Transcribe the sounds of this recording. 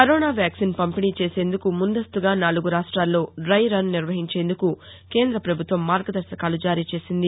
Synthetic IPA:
kɐɾoːnaːʋjaːksinpɐmpiniːt͡ʃe̞ːse̞ːnd̪ukumund̪ɐst̪uɡaːnaːluɡuɾaːʂʈɾaːlːo̞ːɖɾɐjɾɐnniɾʋɐɦiɲt͡ʃe̞ːnd̪uku | ke̞ːnd̪ɾɐpɾɐbʱut̪ʋɐmːaːɾɡɐd̪ɐɾsɐkaːlud͡ʒaːɾiːt͡ʃe̞ːsind̪i

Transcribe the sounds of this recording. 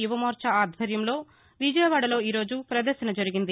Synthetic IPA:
juʋɐmoːɾt͡ʃɐaːd̪ʱʋɐɾjɐmlo̞ː | ʋid͡ʒɐjɐʋaːɽɐlo̞ːiːɾo̞ːd͡ʒupɾɐd̪ɐɾʃɐnɐd͡ʒɐɾiɡind̪i

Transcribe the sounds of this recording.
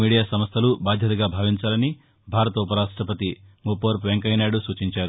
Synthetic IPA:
miːɽijaːsɐmɐst̪ʰɐlubaːd̪ʱjɐt̪ɐɡaːbʱaːʋiɲt͡ʃaːlɐni | bʱaːɾɐt̪ɐupɐɾaːʂʈɾɐpɐt̪imupoːɾpʋeŋkɐjnaːɽusuːt͡ʃiɲt͡ʃaːɾu

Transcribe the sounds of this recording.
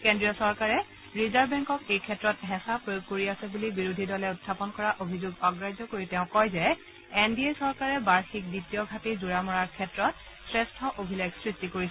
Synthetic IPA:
kendɹiɔsɔɹkaɹɛ | ɹizaɹbɛŋkɔkejkʰɛtːɹɔtɦɛ̃sapɹojoɡ̚koɹiasɛbulibiɹudʱidɔlɛʊtʰːapɔnkɔɹaʔobʱizuɡɔɡɹajzɔkoɹitɛʊ̃kɔjzɛ | endiesɔɹkaɹɛbaɹxik̚ditijɔɡʱatizuɹamɔɹaɹkʰɛtɹɔt̚ | sɹestʰɔʔobʱilajɡsɹistikoɹisɛ

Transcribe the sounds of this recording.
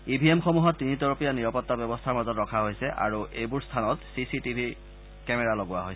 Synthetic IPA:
ibʱiemxɔmuɦɔtːinitɔɹɔpijaniɹɔpɔtːabjɔbɔstʰaɹmazɔtɹɔkʰaɦojsɛʔa̰ɹuʔejbuɹstʰanɔtsisitibʱi | kɛmɛɹalɔɡʊwaɦojsɛ

